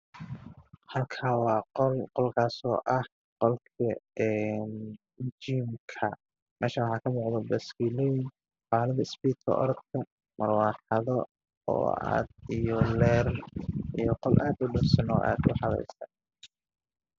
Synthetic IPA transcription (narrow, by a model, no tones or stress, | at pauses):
hɐlkʰaːwɑːqɔlqɔlkʰaːsɔːʔɐh | qɔlkʰɐɛn | d͡ʒiːmkʰɐ | mʔɛːʃɐwɑħɑːkʰɐmuːqd̪ɔbɐskiːlɔjɪn | ħɑːlɐðɐɪsbiːt̪ʰɐ̰ʔɔ̰ɾɔd̪kʰɐ | mɐrwɑːħɑðɔ | ɔ̰ːa̰ːd̪̚ijɔlɛːrijɔqɔlʔaːd̪ʊɖʊbsɐnɔ̰ʔa̰ːd̪ʊħɑlɛ̰jsɐn